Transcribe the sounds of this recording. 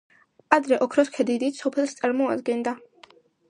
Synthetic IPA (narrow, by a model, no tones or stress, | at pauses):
ad̪ɾɛʔɔkʰɾɔskʰɛd̪id̪it̪sɔpʰɛlˠst̪sʼaɾmɔad̪ɡɛnd̪a